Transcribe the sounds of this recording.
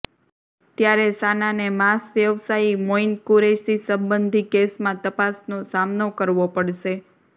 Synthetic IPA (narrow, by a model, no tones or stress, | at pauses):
t̪jaɾesananemasʋjəʋsaimoinkuɾeʃt̪isəmbənd̪ʱikesmãt̪əpasnosamnokəɾʋopəɽʃe